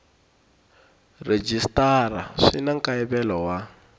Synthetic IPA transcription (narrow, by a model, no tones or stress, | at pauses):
red͡ʒistara̰ʂinaŋkaɛβɛlɔwa